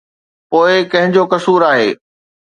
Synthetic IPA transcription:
poːɪkɐ̃ɦɪ̃ɲd͡ʑokɐsuːɾaːɦḛː

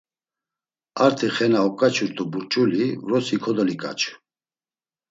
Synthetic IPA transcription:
aɾt̪ʰiχɛnaɔkʼat͡ʃʰuɾt̪ʰʼubuɾt͡ʃʼulivɾɔsikʰɔd̪ɔlikʼa̰t͡ʃʰʼ

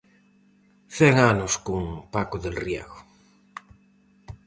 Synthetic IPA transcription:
θeŋanʊskuŋpakoðelrja̰ɣʊ

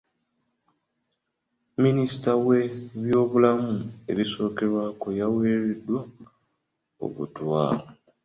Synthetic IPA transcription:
minisi̥tawe̞βjo̞ːβulamue̞̰βiso̞ːke̞ɾwaːko̞jaweːɾedwa | o̰βṵtwa̰ːo

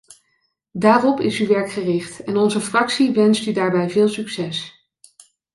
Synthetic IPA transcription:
daːrɔpɪsyʋɛɹkχərɪχtɛnɔnzəfrɑksiʋɛnstydaːɹbɛjvɪːlˠsyksɛs

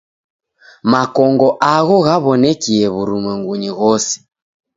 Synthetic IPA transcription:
makɔŋɡɔʔaɣɔɣaβɔnɛkiɛβuɾumwɛŋɡuɲiɣɔsi̥

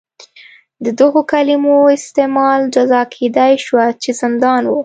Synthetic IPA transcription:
d̪əd̪əɣokalimoɪst̪emɑld͡ʒazɑkʰed̪ajʃwat͡ʃezɪnd̪ɑnwu

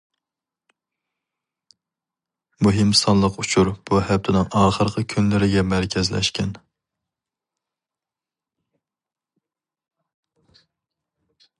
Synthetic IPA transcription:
muɦɪmsɑnlˠəqut͡ʃʰuɾb̥uhɛp̚t̪ʰɪnɪŋɑːχəɾqʰəkʲʰynlɪɾɪɡʲɛmæɾkʲʰɛzlɛ̰ʃkʲʰɛn

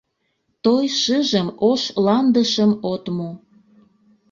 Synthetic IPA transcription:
t̪ojʃəʒəmoʃlɑnd̪əʃəmot̪mo

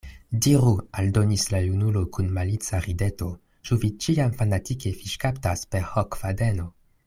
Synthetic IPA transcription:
diɾualdo̞nislajunulo̞kunmalit͡saɾide̞to̞ | t͡ʃuvit͡ʃiamfanatike̞fiʃkaptaspe̞ɾhokfadeno̞

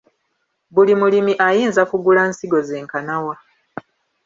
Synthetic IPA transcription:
bulimulimiʔajiːnzakuɡulaːnsiɡo̞ze̞ːŋkanawa

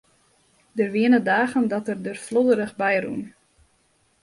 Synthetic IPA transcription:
dərʋiənədaːɣəndɔtərdərflodəɾəχbɛjrṵn

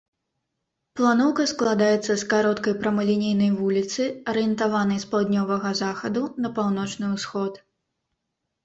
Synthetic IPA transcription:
plˠanɔwkɐsklˠad̪ajɛt̪sːɐskaɾɔt̪kɐjpɾɐmɐlʲinʲejnɐjvulʲit̪sɨɐɾɨjɛnt̪avanɐjspɐlˠd̪ʲnʲɔvɐɣɐzaxɐd̪unɐpawn̪ɔt͡ʂnɨusxɔt̪

